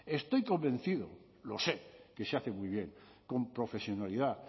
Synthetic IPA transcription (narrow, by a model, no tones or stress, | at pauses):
e̞st̪o̞jko̞mbẽ̞n̟θiðo | lo̞seke̞seaθe̞mujβ̞je̞ŋ | ko̞mpɾo̞fe̞sjo̞nalið̞a